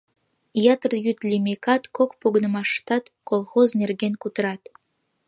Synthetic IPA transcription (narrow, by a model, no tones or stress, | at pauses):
jɑt̪ərjyt̪lʲimekɑt̪kokpoɣənəmɑʃt̪ɑt̪kolˠxoznerɣenkut̪əɾɑt̪